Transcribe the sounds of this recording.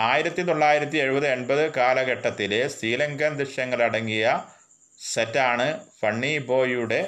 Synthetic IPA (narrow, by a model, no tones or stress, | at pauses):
aːjiɾɐt̪ːit̪o̞ɭːaːjiɾɐt̪ːie̞ɻubɐðɨe̞ɳbɐðɨkaːlɐɡeʈːɐt̪ːilesɾiːlɐŋɡɐnd̪ɾɨʂɐŋːɐɭɐɽɐŋːijɐ | setːaːɳɨfɐɳːibo̞ːjuɽe̞